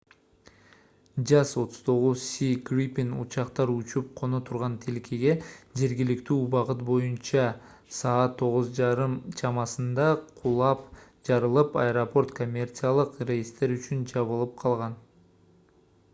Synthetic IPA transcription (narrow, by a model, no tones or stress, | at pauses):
d͡ʒɑso̞t̪ʰʊ̥z̥t̪ʰo̞ʁuzsʲikrʲipʲinṵt͡ʃɑqt̪ɑɾut͡ʃup̚qʰo̞not̪ʰuɾʁɑnt̪ʰilkʰeɡe̞d͡ʒe̞ɾɡilikt̪yːbɑqɯt̪̚bo̞junt͡ʃɑ | sɑːt̪ʰːo̞ʁʊzd͡ʒɑɾɯmt͡ʃʰɑmɑsɯnd̪ɑqʰulˠɑp | d͡ʒɑɾɯlˠɯpɑ̰ɾopo̞rt̪ko̞mʲːe̞rt̪sɨjalˠɯqrʲejist̪e̞ɾyt͡ʃynd͡ʒɑβɯlˠɯp̚qʰɑlˠʁɑn